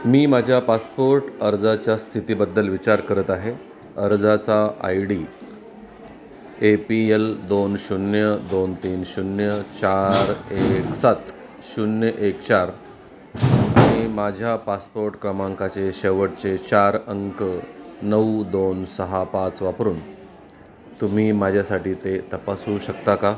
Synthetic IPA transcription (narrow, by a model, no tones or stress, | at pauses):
miːmad͡ʑʱjapaspoɾʈəɾd͡zat͡ɕjast̪ʰit̪iːbəd̪ːəlʋit͡ɕaɾkəɾət̪aɦe | əɾd͡zat͡saa̰jɽi | epield̪onɕunjəd̪ont̪iːnɕunjət͡ɕaɾeksat̪ | ɕunjəʔekt͡ɕaɾ | a̰ɽ̃imad͡ʑʱjapaspoɾʈkɾəmãŋkat͡seɕeʋəʈ̚t͡set͡ɕaɾəŋkənəud̪onsəɦapat͡sʋapɾuːn | t̪um̤iːmad͡ʑʱjasaʈiːt̪et̪əpasũɕəkt̪aka